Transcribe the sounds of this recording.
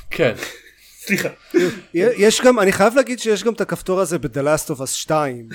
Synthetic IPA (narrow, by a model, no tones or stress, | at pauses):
kʰen | sliχaujejeʃɡamaniχajavleːɡid̪ʃejeʃɡamt̪akaft̪o̞ʁaze̞bed̪elastovasʃtaim